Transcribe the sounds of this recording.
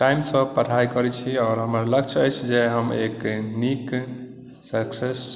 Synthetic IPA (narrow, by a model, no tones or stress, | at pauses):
ʈajmsə̃pəʈʰajkəɾɛt͡ʃʰiɔʊɾɦəmaləkt͡ʃʰəjt͡ʃʰd͡ʒeɦəmeknik | səkses